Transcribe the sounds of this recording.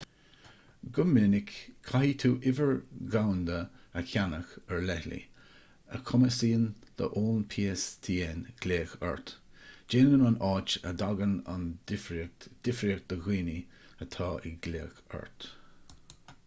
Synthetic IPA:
ɡʊmːɪnɪkʰːahiːt̪ʰuːʔɪvəɹɡawnd̪əəkʰʲanəxəɹlɛhlḭ | ə̰kʰʊməsiːənd̪̥ə̰ʔoːnpʰiːəst̪ʰiːɛnɡ̥leːxə̰ɹt̪ | d͡ʒeːnɡənanɑːt͡ʃəd̪aɡəna̰n | d̪̥ɪfɾiək̚d̪̥əɣiːni | ət̪ʰɑːʔɪ̰ɡ̥leːxə̰ɹt̪

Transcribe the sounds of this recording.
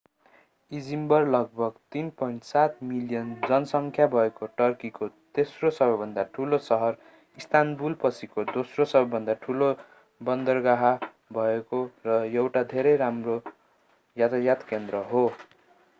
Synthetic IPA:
id͡zimbʌrlʌɡ̚bʱʌɡt̪inpʌiɳʈsat̪miljʌnd͡zʌnʌsʌŋkʰjabʱʌekoʈʌrkikot̪esrosʌbʌjbʱʌnd̪aʈʰulosʌɦʌr | ist̪ʰanbulpʌt͡sʰikod̪osrosʌbʌbʱʌnd̪aʈʰulo | bʌnd̪ʌrɡaɦa | bʱʌekorʌjewʈad̪ʱeɾʌjɾamro | jat̪ajat̪kend̪ɾʌɦo

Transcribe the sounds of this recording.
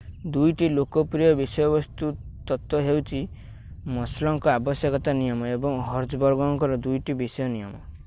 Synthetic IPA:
d̪ujʈilokɔpɾijɔbisɔjɔbɔst̪ut̪ɔt̪wɔɦewt͡ʃʰi | mɔslɔŋkɔabɔsjɔkɔt̪anijɔmɔebɔŋɦɔɾd͡ʒɔbɔɾɡɔŋkɔɾɔd̪ujʈibisɔjɔnijɔmɔ

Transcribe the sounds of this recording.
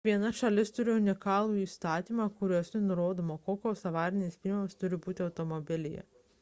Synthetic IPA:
ʋʲiɛnɐʃɐlʲɪst̪ʊɾʲɪʊnʲɪkɑːlˠuːiːst̪ɑːt̪ʲiːmɑkʊɾʲuɔsʲnʲɪnʊɾoːd̪oːmoːkoːkʲoːsɐʋɑːɾʲɪnʲesʲpʲilʲmʲmst̪ʊɾʲɪbuːt̪ʲɪɐʊt̪omɔbʲɪlʲɪjɛ̰

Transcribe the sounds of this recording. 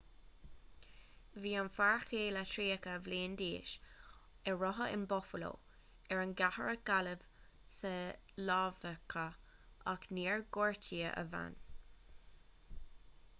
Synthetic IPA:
viːanfaɹxeːlatʰɾiːəkəvliːnd̪iːʃ | ɛɹɔɦəʔɪ̰nbɔfəlo̰ː | ɛɹənɡahəɹəɡ̥aləv̥ | səlɑːvəkʰə | akniːɹɡɔɹtʰiːəʔə̰va̰n

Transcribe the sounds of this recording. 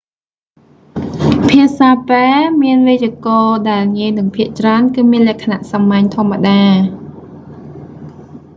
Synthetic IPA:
pʰiəsaːpeːmiənʋet͡ɕiəkɑːɗaɛlŋiəjnɨŋpʰiəʔt͡ɕraənkɨːmiənlɛ̆əkʰːanaʔsɑmːaɲt̪ʰŏəmːaɗaː

